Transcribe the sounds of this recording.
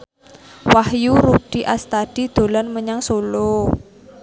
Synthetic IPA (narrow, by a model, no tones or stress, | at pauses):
wahjuɾud̥i̤ʔast̪ad̥i̤d̪̥o̤lɔnməɲaŋsolo